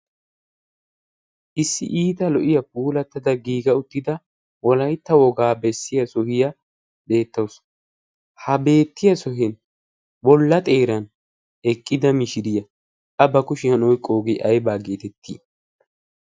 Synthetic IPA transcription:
ʔɪsːɪ̰ʔiːt̪ɐlɔʔɪjɐp̚uːlɐt̪ːɐd̪ɐɡiːɡɐʊt̪ːɪd̪ɐ | wɔlɐjt̪ːɐwɔɡaːbɛsːɪjɐsɔhɪjɐ | be̞ːt̪ːɐws | hɐbe̞ːt̪ːɪjɐsɔhɛn | bɔlːɐt̪ʼe̞ːɾɐn | ɛkʼːɪd̪ɐmɪʃɪd̪ɪjɐ | ʔɐbɐkʊʃɪhɐnɔjkʼːoːɡɪʔɐjbaːɡe̞ːt̪ɛt̪ʰːḭː

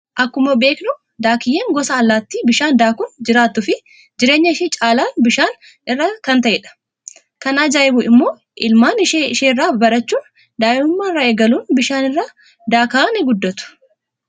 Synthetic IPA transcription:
ʔɐkːʊmɐbe̞ːknʊ | d̪aːkɪjeːŋɡɔsɐːlːaːt̪ːiːbɪʃaːnd̪aːkʊnd͡ʒɪɾaːt̪ːʊfɪ | d͡ʒɪɾeːɲːɐɪʃit͡ʃʼaːlaːnbɪʃaːn | ɪrːakɐnt̪ɐʔɛᶑɐ̥ | kɐnaːd͡ʒaːjɪbʊɪmːo̞ː | ʔɪlmaːnɪʃeːɪʃeːrːaːbɐɾɐt͡ʃːuːn | d̪aːjɪʊmːaːɪrːaːeːɡɐluːnbɪʃaːnɪrːaː | d̪aːkɐanɛɡʊd̪ːɐt̪ʊ̥

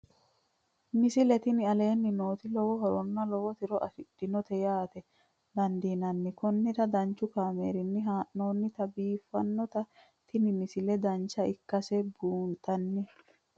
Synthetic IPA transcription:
mɪsɪlɛt̪ɪnɪɐle̞ːnːɪnoːt̪ɪlɔwɔɦɔɾɔnːɐlɔwɔt̪ɪɾɔʔɐ̰fɪd̥ːɪnɔt̪ɛjaːt̪ɛ | d̪ɐnd̪iːnɐnːɪkɔnːɪt̪ɐd̪ɐnt͡ʃːʊkaːmḛːɾɪnːɪɦaːʔnoːnːɪt̪ɐbiːfːɐnːɔt̪ɐ | t̪ɪnɪmɪsɪlɛd̪ɐnt͡ʃːɐɪkːɐsɛbuːnt̪ʼɐnːɪ

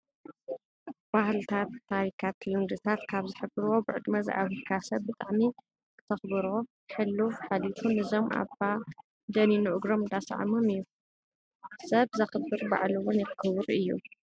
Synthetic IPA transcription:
b̥ahlt̪ʰat̪ʰːaɾikʰat̪lund̪ɨt̪ʰat̪kʰaβzɨħɨbɨɾuwo̞bɨʕɨd̪mɐza̰βɨkʰasɐβbɨt̪ʼaʕmi | kʰɨ̥t̪ʰɐxbɨɾo | ħɨlːuħalit̪ʰunɨzo̞mʔa̰fa | d̪ɐninuʔʊɡɾo̞md̪asʕa̰momɨjːu | sɐβzɐxɨbɨɾba̰ʕlɨwonjɛxkʰɨwɾɨjːṵ

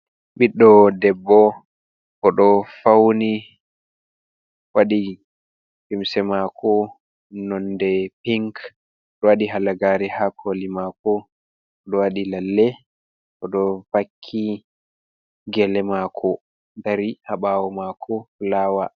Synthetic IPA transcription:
ɓiɗːɔdɛbːɔ | ʔɔɗɔfawni | waɗi | pimsɛmakʰɔ | nɔndɛpiŋk | ɗɔwaɗiɦalaɡaɾɛhakʰolimakɔ | ɗɔwaɗilalːɛ | ʔɔɗɔfakʰːi | ɡɛlɛmakʰɔ | daɾihaɓawɔmakʰɔflaːwa̰

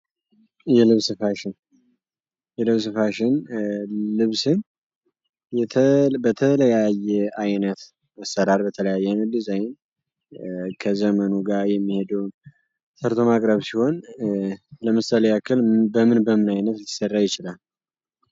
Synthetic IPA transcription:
jɛlɨβsɨfaʃɪn | jɛlɨβsɨfaʃɪn | lɨβsɨn | jɛt̪ʰbət̪ʰələjajːɛajnət̪ | asːəɾaɾbət̪ʰələjajːɛnɨd̪izajɪn | kʰəzəmənuɡaɾjɛmːihe̞d̪əwn | sʰəɾt̪ʰo̞makʼɾəβsiho̞n | ləmɨsaleakʰɨlbəmɨnbəmɨnajnət̪t̪ʰːɨ̥sərːajɪt͡ʃɪlal

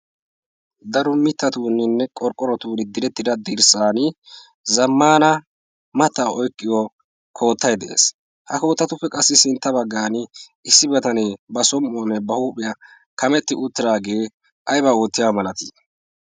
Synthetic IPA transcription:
d̪ɐɾɔmɪt̪ːɐt̪uːnɪnːɛkʼɔɾkʼːɔɾɔt̪uːnɪd̪ɪɾɛt̪ːɪd̪ɐd̪iɾsaːnɪ | zɐmːaːnɐ | mɐt̪ːaʔɔjkʼːɪjɔ | kʰo̞ːt̪ːɐjd̪ɛʔḛːs | hɐko̞ːt̪ːɐt̪ʊpːɛkʼɐsːɪsɪnt̪ːɐbɐɡːaːnɪʔɪsːɪbɛt̪ɐnɛbɐsɔmːoːnɛbɐhuːpʼɪjɐ | kɐmɛt̪ːɪʔʊt̪ːɪɾaːɡe̞ː | ʔɐjbɐoːt̪ːɪjamɐlɐt̪i

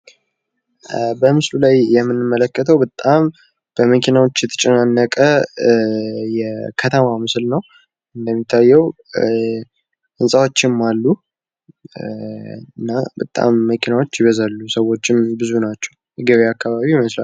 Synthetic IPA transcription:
bəmɨslulajjɛmːɨnːɨmːələkːət̪ʰəwbət̪ʼam | b̥əməkʰinawot͡ʃːjɛt̪ʰə̥t͡ʃʼɛnanːəkʼə | jɛkʰət̪ʰəmamɨslnəw | ɨnd̪əmːit̪ʰːajːɛw | ʔɨnsʼawo̞t͡ʃːɪmːalːu | ɨnːabət̪ʼa̰mːəkʰinawot͡ʃːjɪβəzalːusəwo̞t͡ʃːɪnbɨzunat͡ʃːɛwjɛɡəβeakːaβaβiməslal

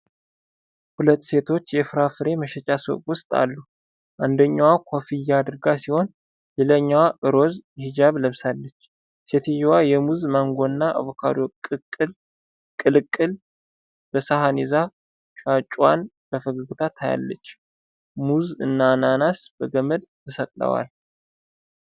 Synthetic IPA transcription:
hulət̪ːse̞t̪ʰo̞t͡ʃːjɛfɨɾafɨɾe̞məʃɛt͡ʃʼasə̰wtʼwʊst̪ʼa̰lːu | ʔand̪əɲːawakʰofijːaːd̪ɨɾɡasiho̞n | lɛləɲːawaʔɨɾo̞zhɪd͡ʒaβləβsalːət͡ʃː | set̪ʰijwajɛmuzmaŋɡo̞ɨnːaʔa̰βokʰa̰ɾokʼːɨkʼɨl | kʼːɨlɨkʼːɨl | b̥əsaɦaniza | ʃʼat͡ʃʼwa̰n | bəfəɡəɡut̪ʰat̪ʰaja̰lːət͡ʃː | muzɨnːananasb̥əɡəməd̪t̪ʰəsəkʼlə̰wa̰l

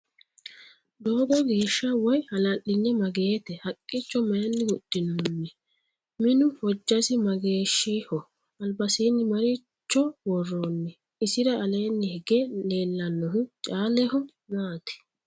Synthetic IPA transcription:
d̪oːɡɔɡe̞ːʃːɐwɔjhɐlɐʔɪnːɛmɐɡe̞ːt̪ɛhɐkʼːɪt͡ʃːɔmɐjɐnːɪwʊd̪̥ːɪnonːɛ | mɪnʊwɔd͡ʒːɐsɪmɐɡe̞ːʃːihɔ | ɐlbɐsiːnːɪmɐɾɪ | t͡ʃːɔwɔrːoːnːɛ | ɪsɪɾɐɐlɛjnːɪhɪɡɛle̞ːlːɐnːɔhʊt͡ʃʼaːlɛhɔ | naːt̪ɛ̥

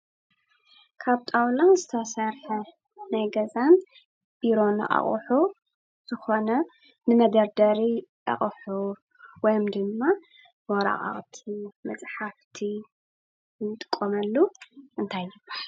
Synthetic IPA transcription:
kʰaβt̪ʼawlanzɨt̪ʰɐsɐɾħɐ | najɡɐzan | b̥iɾo̞nɐ̰ʔa̰χʼħu | z̥ɨxo̞nɐ | nɨmɐd̪ɐɾd̪ɐɾiʔa̰χʼħu | wɔjɔmd̪ɨmːa | wɔɾa̰χʼa̰χʼt̪ʰimɐt͡sʼħaft̪ʰi | t̪ʼɨ̥kʼːomɐlːuʔɨnt̪ʰajːɪbaħ

